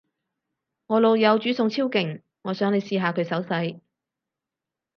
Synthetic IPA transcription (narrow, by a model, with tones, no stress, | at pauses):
ŋɔː˨˧lo˨˧wjɐ˨˧wt͡ʃyː˨˥sʊ˨˧ŋt͡sʰiː˥wkɪ˨˩ŋ | ŋɔː˨˧sœː˨˥ŋle˨˧jsiː˧ɦaː˨˧kʰɵ˨˧ɥsɐ˨˥wsɐ˨˥j